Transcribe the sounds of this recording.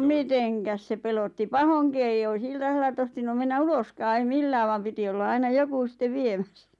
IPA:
miteŋkæs se pelotːi pɑhoŋki eij ois iltɑselːɑ tohtinum menːæ uloskɑː ei milːæː ʋɑm piti olːɑ ɑinɑ joku sĭtːe ʋiemæsːæ̥

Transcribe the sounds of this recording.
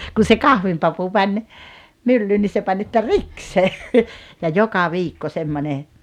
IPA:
kun̞ se kɑhʋimpɑpu mænʲ mylːyː ni se pɑnʲ etːæ riks se jɑ jokɑ ʋiːkːo semːone

